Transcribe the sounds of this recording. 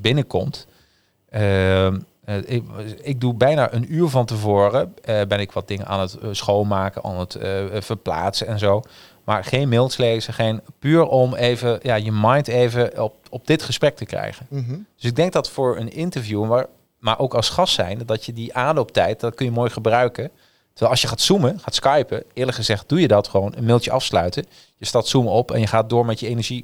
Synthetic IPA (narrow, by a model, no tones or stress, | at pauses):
bɪnəkɔmt | ə | ɪɡ̚dubɛjna̰ːʔənyːɹvɑntəvoːrəbɛnɪkʋɑt̚dɪŋənaːnətsχowlmaːkəna̰ːnətvəɹpla̰ːtsəɛnzow | maːɹχejnmɪlˠsleːzəχejnpyːɹɔmejvəjaːjəmɑjntejvəɔpɔb̚dɪtχəsprɛk̚təkrɛ̰jχənd̥ɵsɪɡ̚dɛŋk̚dɑtfʊːɹənɪntəɹvjuʋaɹ | maːɹʔowkɑlˠsχɑstːɛ̰jndɑtjədiʔaːnlowp̚tɛjt̚dɑtkɵnjəmoːjχəbrœɥkə | tə̥ɹʋɛlˠɑlsjəχaːtsuməχaːtskɑjpəɪːɹləkχəzɛχt̚d̥ujədɑtχəʋownənmɪlˠtəʔɑfslœ̰ɥtə | jəstatsuməɔpɛ̰njəχaːt̚dʊːɹmɛtjəejnəɹʒi